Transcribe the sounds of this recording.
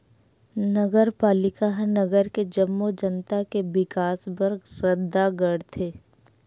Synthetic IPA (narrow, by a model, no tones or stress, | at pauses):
nəɡəɾpaːlɪkaɦə̃nəɡəɾked͡ʒəmːod͡ʒənt̪akeʋɪkaːsbəɾɡɾɐd̪aɡəɽt̪ʰeː